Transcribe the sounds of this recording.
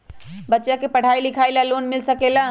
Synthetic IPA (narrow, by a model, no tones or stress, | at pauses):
bətːʃjakepəɽ̤ailikʰalalonmɪlsəkela